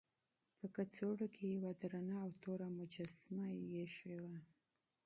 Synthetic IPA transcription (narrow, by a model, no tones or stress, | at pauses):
pəkat͡soɽokʰejawad̪ɾanaːwt̪oɾamʊd͡ʒasmajeʃewa